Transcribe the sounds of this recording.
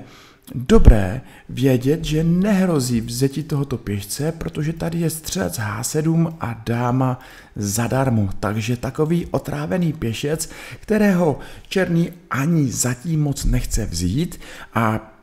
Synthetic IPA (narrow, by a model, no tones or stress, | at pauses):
do̞bɾɛ̰ː | vjɛɟɛt̪ʒɛnɛɦɾo̞ziːvzɛcɪt̪o̞ɦo̞t̪o̞pjɛʃt͡sɛpɾo̞t̪o̞ʒɛt̪adɪjɛst̪r̝̥ɛlɛt͡sɦa̰ːsɛduːmʔadaːma | zadaɾmot̪aɡʒɛt̪ako̞viːʔo̞t̪ɾʔaːvɛniːpjɛʃɛt͡skt̪ɛɾɛːɦo̞t͡ʃɛɾniːʔaɲɪzaciːmːo̞t͡snɛxt͡sɛvziːt̪ʔa